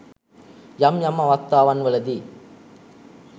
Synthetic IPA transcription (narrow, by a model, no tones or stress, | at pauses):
jɐmjɐmːɐʋɐkt̪ːaːʋɐnʋɐlɐd̪i